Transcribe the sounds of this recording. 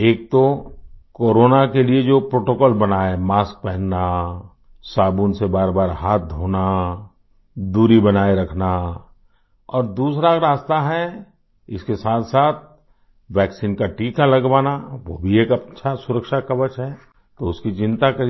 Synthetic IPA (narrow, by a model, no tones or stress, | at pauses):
eːk̚t̪okoːɾoːnakelied͡ʒoːpɾoːʈokɔːlbɐnaːemaːsk̚pɛɦnna | saːbuːnsebaːɾbaːɾɦaːt̪̚d̪ʱoːna | d̪uːɾibɐnaːeɾɐkʰna | ɔːɾd̪uːsɾaɾaːst̪aɦɛ | ɪskesaːt̪ʰsaːt̪̚ʰ | ʋɛːksiːnkaʈiːkalɐɡʋaːnaʋo̰bʱieːkɐt͡ʃʰasʊɾəkʃakɐʋət͡ʃɦɛ | t̪oʊskit͡ʃɪ̃nt̪akɐɾ